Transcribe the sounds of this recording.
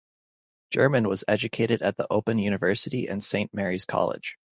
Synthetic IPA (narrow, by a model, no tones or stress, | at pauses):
d̥ʒ̥ɜ˞mɨ̃nwʌzɛd͡ʒɨkʰeɪɾɨɾɨt̪̚ðiʔoʊpɨ̃njʉñɨvɜ˞sɨɾiʔɨ̰̃nsẽɪ̃nmɛɹiz̥kʰɑ̰lˠɪ̰d̥ʒ̥